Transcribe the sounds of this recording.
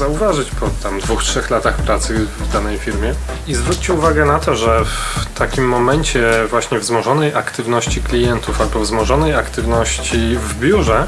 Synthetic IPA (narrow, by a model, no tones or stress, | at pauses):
zauvaʐɘt͡ɕpɔt̪amd̪vuxtʂɛxlat̪axpɾat̪sɘvd̪anɛjfʲiɾmʲjɛ | izvɾut̚t͡ɕɛuvaɡɛnat̪ɔʐɛft̪akʲimːɔmɛɲt͡ɕɛvwaɕɲɛvzmɔʐɔnɛjʔakt̪ɘvnɔɕt͡ɕiklʲijɛnt̪ufalbɔvzmɔʐɔnɛjakt̪ɘvnɔɕt͡ɕivbʲjuʐɛ